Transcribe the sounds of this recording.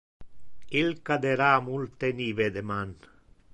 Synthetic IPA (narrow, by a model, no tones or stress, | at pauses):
kilkad̪eɾamult̪eniβed̪eman